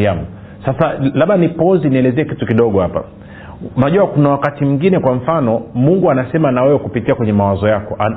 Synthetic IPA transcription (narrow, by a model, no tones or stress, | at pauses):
amu | sasalaɓanipɔziniɛlɛzɛɛkitukiɗɔɠɔhapa̰ | unaʄuwakunawakatim̩ŋɡinɛkwaɱ̩fanɔmuŋɡuanasɛmanawɛwɛkupitiakwɛɲɛmawazɔjakɔa